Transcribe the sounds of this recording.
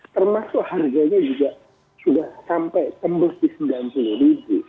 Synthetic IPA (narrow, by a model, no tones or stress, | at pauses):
t̪ərmasʊkharɡaɲad͡ʒuɡaʔ | sudahsampajt̪əmbʊsdisədlampuluhlibu